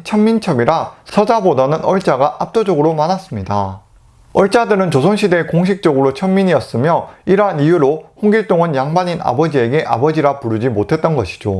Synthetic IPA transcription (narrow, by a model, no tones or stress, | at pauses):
t͡ɕʰʌmːint͡ɕʰʌmiɾasʰʌd͡ʑabodanɯnʌɭt͡ɕ͈aɡaʔap̚t͈od͡ʑʌɡɯɾomanas͈ɯmɲida | ʌɭt͡ɕ͈adɯɾɯnt͡ɕosʰoŋɕʰide̞koŋɕʰik̚t͡ɕ͈ʌɡɯɾot͡ɕʰʌmːiɲiʌs͈ɯmjʌiɾanijuɾohoŋɡiɭt͈oŋɯnjaŋbaɲina̰bʌd͡ʑie̞ɡe̞ʔa̰bʌd͡ʑiɾapuɾɯd͡ʑimotʰe̞t̚t͈ʌnɡʌɕʰi̥d͡ʑo